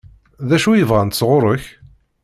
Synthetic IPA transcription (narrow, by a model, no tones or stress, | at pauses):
ðæʃujəvʁænt̪əsʁʊɾˤəç